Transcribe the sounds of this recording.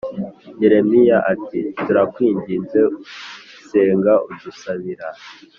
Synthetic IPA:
je̞ɾe̞mijaʔatituɾakwiːɲɟinze̞ | se̞ːŋɡaudusaβiɾa

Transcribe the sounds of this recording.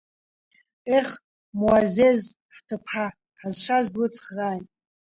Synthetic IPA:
eχ | mwazez | ħtʰɨpʰħa | ħazʃazdlɨt͡sʰʼχraːjtʼ

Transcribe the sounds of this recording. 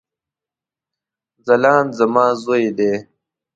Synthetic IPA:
zɐlɑːnzɐmaːzoːed̪eː

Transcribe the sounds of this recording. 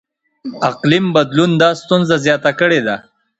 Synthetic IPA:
aqlimbad̪lund̪ɑst̪unzazjɑt̪akəɽed̪a

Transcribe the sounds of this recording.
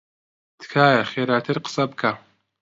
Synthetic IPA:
t̪ʰkʰaːjɐχeːɾaːt̪ʰɐrqə̥sɐbkʰa

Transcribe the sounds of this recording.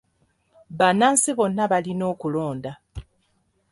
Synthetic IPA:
βanaːnsiβo̞nːaβalino̞ːkulo̞ːnda

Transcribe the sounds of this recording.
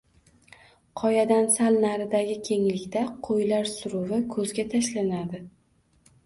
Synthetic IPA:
qʰɒjad̪ansalnaɾɪd̪aɡʲɪkʲʰe̞ŋlɪkʲt̪aqʰojlaɾsʊɾʊvɪkʰɵzɡʲat̪ʰaʃlanad̪ɪ

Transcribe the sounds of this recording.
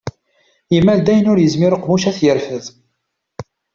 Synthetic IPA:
imːæld̪æjənʊɾjəzmiɾəqːmuʃæθjəɾfəð

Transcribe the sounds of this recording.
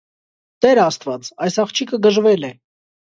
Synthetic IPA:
t̪ɛɾɑst̪vɑt͡sɑjsɑχt͡ʃʰikʰəɡəʒvɛlɛ

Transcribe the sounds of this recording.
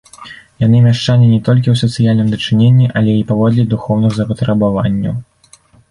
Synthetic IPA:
jan̪ɨmʲaʂt͡ʂanʲinʲɛt̪ɔlʲk̬ʲiwsɐt̪sɨjalʲnɨmd̪ɐt͡ʂɨnʲenʲːiʔɐlʲɛipavɔd̪lʲɛd̪uxɔwnɨɣzɐpɐt̪ɾɐbavanʲːɐ̰w

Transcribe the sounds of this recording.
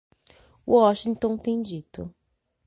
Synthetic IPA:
uɔʃĩŋt̪õt̪ẽj̃d͡ʒit̪ʊ̰

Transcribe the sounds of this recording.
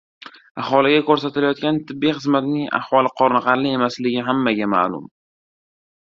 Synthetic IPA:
ahɒlɪɡʲakʰɵɾs̬at̪ɪlajɒt̪̚kʲant̪ʰɪbːijχɨzmat̪nɪŋa̰hwɒlˠɨqʰɒɾnɨqɑɾlɪe̞maslɪɡʲɪɦamːaɡʲama̰lʊ̰m

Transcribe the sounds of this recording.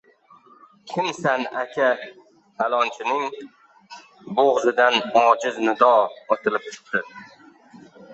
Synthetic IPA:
kʲʰɪmsanakʲʰa | t̪ʰalˠɒnt͡ʃʰɪnɪŋ | boʁzɪd̪anɒd͡ʒɪznɪd̪ɒot̪ʰɪlɪp̚t͡ʃʰɪ̥p̚t̪ɪ

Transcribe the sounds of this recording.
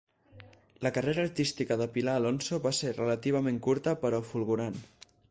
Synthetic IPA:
ləkəreɾəːɾt̪ist̪ikəðəpilaːlonsoβaseɾrələt̪iβ̞əmẽŋkuɾt̪əpəɾɔfulˠɣuɾan

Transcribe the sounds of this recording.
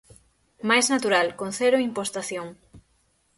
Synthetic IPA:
majznat̪uɾalkon̟θeɾoimpost̪aθjoŋ

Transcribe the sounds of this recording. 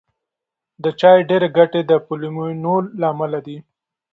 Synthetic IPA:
d̪ət͡ʃɑjɖeɾeɡaʈed̪əpulimunolːaːmalad̪i

